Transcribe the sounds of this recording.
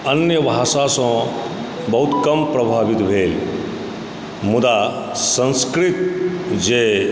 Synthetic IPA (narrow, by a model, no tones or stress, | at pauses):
ənjəbʱasasə̃ | bəɦut̪kəmpɾəbʱabit̪bʱeːl | mud̪a | sə̃nskɾit̪d͡ʒe